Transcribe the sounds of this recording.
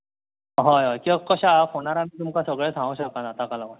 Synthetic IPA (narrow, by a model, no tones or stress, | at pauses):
ɦajɦɔjkĩʋakəɕakoɽ̃aɾanit̪umkasəɡɭesãŋɡuɕəkanat̪akalama